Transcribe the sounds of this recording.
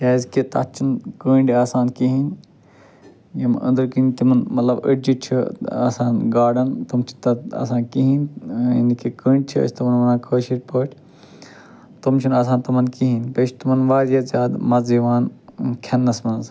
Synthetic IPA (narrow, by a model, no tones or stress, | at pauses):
jaːzket̪ɐ̰t͡ʃʰinkəːɳɖʲaːsaːnkiɦin | jɐmə̰̃nd̪ɨɾkiinʲt̪imɐnmɐt̪lɐbəʈd͡ʒit͡ʃʰia̰ːsaːnɡaːɖɐnt̪umt͡ʃʰi̥t̪ɐa̰saːnkiɦinḭnikikəːɳɖʲt͡ʃʰiɐ̰sʰʲt̪umɐnmɐnaːkʰəːʃiʈʲpəːʈʲʰ | t̪umt͡ʃʰinaːs̬aːnt̪ɐmɐnkiɦinpet͡ʃʰt̪umɐnʋaːɾjɐzʲaːd̪mɐziʋaːnkʰɐnːɐsmɐnz